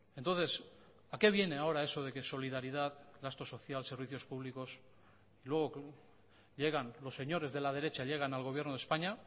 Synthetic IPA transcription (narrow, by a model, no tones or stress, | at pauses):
e̞nt̪onθe̞s | ake̞β̞je̞neao̞ɾae̞so̞ð̞e̞ke̞so̞lið̞aɾiðaðɡast̪o̞so̞θjalse̞ɾβiθjo̞spuβliko̞s | ilwe̞ɣ̞o̞ | ʎe̞ɣ̞anlo̞sːe̞ɲo̞ɾe̞zðe̞laðe̞ɾe̞t͡ʃaʎe̞ɣ̞analɣoβjeɾno̞ðe̞spaɲa